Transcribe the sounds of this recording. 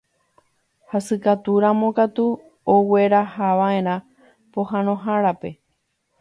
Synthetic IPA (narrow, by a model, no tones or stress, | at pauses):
hasɨkat̪uɾãmõkat̪u | oweɾahaʋãẽɾ̃ã | poɦãnõ̞ɦãɾape̞